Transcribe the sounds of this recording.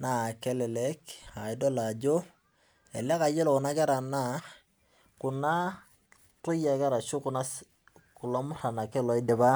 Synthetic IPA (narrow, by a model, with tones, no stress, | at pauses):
na˨kɛ˦lɛ˨lɛ˦ka˨i˦dɔ˦la˨d͡ʒo˦ | ɛ̰˨lɛ˦ka˨˦d͡ʒɔ˦lɔ˨ku˨na˦kɛ˦ɾa˨na˨ | ku˨na˦ | to˦ja˨kɛ˦ɾa˨ʃo˦ku˨na˦ | ku˨la˦mʊ˦ra˨na˨kɛ˦lɔ˨i˦dɛ˨ba˦